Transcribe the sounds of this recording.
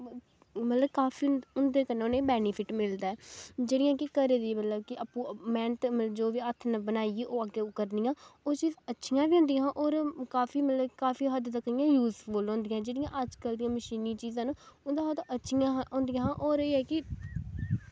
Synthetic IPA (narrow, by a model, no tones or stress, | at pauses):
mət̪ləbkaːfʰiːʊnd̪eːkəneːoːnẽːbɛːnɪpʰɪʈmɪld̪aːɛːd͡ʒeːɽɪjãːkɪkəɾeːd̪iːmət̪ləb̚kɪʔapũːmɛ̃ːɳʈməəd͡ʒoːʋiːət̪ʰnəbənaːieːʔoːəɡeːʊkəɾnijãːoːt͡ʃiːzətːʃʰɪjãːbiõːnd̪ijãːʔoːɾkaːfiːmət̪ləbkaːfiːɦəd̪t̪əkːəɪjãːjuːzboːlõːnd̪ɪijãd͡ʒeːɽɪjãːʔəd͡ʒkəld̪ijãːməʃiːniːt͡ʃiːzãːnʊd̪ãːoːt̪aʔətːʃʰɪjãːõːnd̪ɪijãːʔoːɾeːɛːkɪ